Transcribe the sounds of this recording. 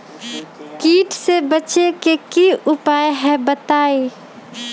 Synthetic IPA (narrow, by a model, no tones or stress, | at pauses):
kiːʈsebət͡ʃekekiʊpaːeɦɛbət̪aːeː